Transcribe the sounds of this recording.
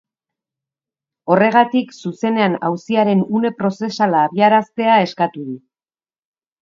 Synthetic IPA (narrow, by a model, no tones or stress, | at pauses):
o̞re̞ɣ̞at̪iksuse̞ne̞anawsiaɾe̞nune̞pɾo̞se̞salaːβiaɾast̪e̞ae̞skat̪uðu